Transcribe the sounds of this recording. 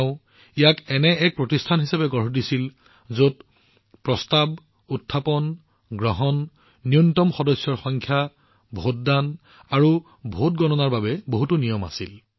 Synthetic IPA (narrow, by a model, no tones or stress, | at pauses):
ʊ | ijakɛnɛɛk̚pɹotistʰanɦisapɛɡɔɹɦɔdisil | zot | pɹɔstab | utʰːapɔn | ɡɹɔɦɔnː | iuntɔmxɔdɔsjɔɹxɔŋkʰja | bʱot̚dan | aɹu | bʱot̚ɡɔnɔnaɹbabɛboɦutunijɔma̰sil